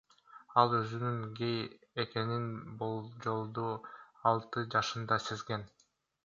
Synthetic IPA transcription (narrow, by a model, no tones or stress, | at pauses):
ɑlˠøzynyŋɡe̞j | eke̞ninbolˠd͡ʒo̞lˠd̪u | ɑlˠt̪ɯd͡ʒɑʃɯnd̪ɑsezɡe̞n